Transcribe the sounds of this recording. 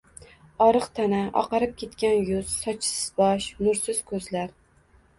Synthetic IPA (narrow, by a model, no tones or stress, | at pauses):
ɒɾɨqt̪ʰanaʔɒ̰qɑɾɪp̚kʲʰe̞t̪kʲanjʊz̥sɒt͡ʃʰɪ̥sɪz̥bɒʃnʊɾsɪz̥kʰɵzlaɾ